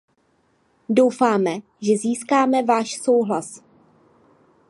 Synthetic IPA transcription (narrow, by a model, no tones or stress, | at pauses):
do̞wfaːmɛ | ʒɛziːskaːmɛvaːʃso̞wɦlas